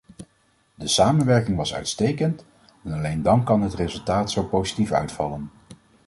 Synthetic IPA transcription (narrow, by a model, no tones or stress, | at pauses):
dəsaːmənʋɛɹkɪŋʋɑsœ̰ɥtstejkənt | ɛnɑlejndɑnkɑnɦətrezɵlˠtaːtsowpowzitifœ̰ɥtfɑ̰lən